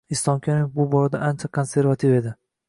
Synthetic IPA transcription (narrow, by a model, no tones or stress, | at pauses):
ɪst̪ˠɒmkʲʰanɪbʊbɒɾad̪aʔant͡ʃʰakʰonse̞ɾvat̪ʰife̞d̪ɪ